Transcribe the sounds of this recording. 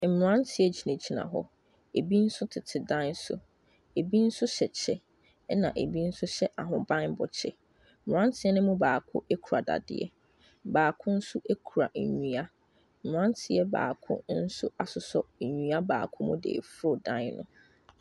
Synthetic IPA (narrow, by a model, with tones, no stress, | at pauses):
m̩˨m˨ɾã˦ntʰɪ˨ɛ˦d͡ʑi˨nẽ˨d͡ʑi˦nã̰˨ɦɔ̰˦ | e˨bi˦n̩˦sʊ˦tʰɪ˨tʰɪ˨dã˦n˦sʊ̰˨ | e˨bi˦n̩˦sʊ˦ɕɛ˨t͡ɕʰɛ˨˦ | nã̰˨ʔe˨bi˦n̩˦sʊ˦ɕɛ˦ʔa˨ɦʊ̃˨bã˦nbɔ˨t͡ɕʰɪ̰˨ | m̩˨m˨ɾã˦ntʰɪ˨˦ɛ˦nʊ̃˦mũ˦baː˨kʰʊ̰˦ʔe˦kʰu˨a˨da̰˨dɪ̰˦ɛ̰˦ | baː˨kʰʊ̃˦n̩˦sʊ˦ʔe˦kʰu˨ɾa˨n̩˨ɲũ˨a˦ | m̩˨m˨ɾã˦ntʰɪ˨˦ɛ˦ba̰ː˨kʰʊ̰̃˦n̩˦sʊ˦a˨sʊ˨sɔ˦˨ɲũ˨a˦ba̰ː˨kʰʊ̃˦mʊ̃˦dḛ˨fɾo˦˨dã˦nnʊ̰̃˨